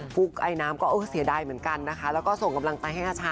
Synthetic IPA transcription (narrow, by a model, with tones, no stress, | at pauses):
fu˦˥k̚ʔa˧jnaː˦˥mkɔː˥˩ʔɤː˧˩si˩˦ədaː˧jmɯ˩˦ənka˧nːa˦˥kʰa˦˥lɛː˦˥wkɔː˥˩so˨˩ŋka˧mla˧ŋt͡ɕa˧jhɦa˥˩jʔaː˧˩t͡ɕʰaː˧